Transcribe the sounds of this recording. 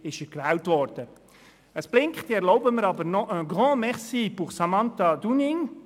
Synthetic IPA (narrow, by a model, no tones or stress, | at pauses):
ɪʃəkvɛltvɔɾd̥ə | əsb̥lɪŋkχt̪iɛɾlɔʊbəməɾɑbəɾnɔəɡʁɔ̃ːmɛχsibuχsɑmɑnt̪ad̪unɪŋ